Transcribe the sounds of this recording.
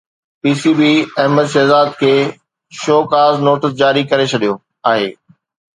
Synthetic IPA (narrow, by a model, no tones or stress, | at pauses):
piːsibiːɐɦməd̪ʃɛːzaːd̪̚kʰeː | ʃoːkaːznoːʈɪsd͡ʑaːɾikɐɾet͡ɕʰɐɗijo | aːɦḛː